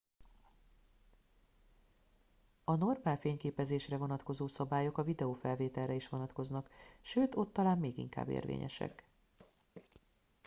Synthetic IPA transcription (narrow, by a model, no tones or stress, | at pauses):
ɒno̞rmaːlfeːɲkeːpɛzeːʃrɛvo̞nɒt̪ko̞zoːsɒbaːjokɒvid̪ɛoːfɛlveːt̪ɛlːɛiʃʋo̞nɒt̪ko̞znɒkʃøːt̪o̞t̪ːɒlaːmmeːɡḭŋka̰ːbːḛːrvḛːɲɛ̰ʃɛ̰k